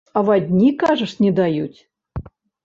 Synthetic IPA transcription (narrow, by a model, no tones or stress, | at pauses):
ɑvɑdʲnʲikɑʐə̆ʂnʲed̪ɑjutʲ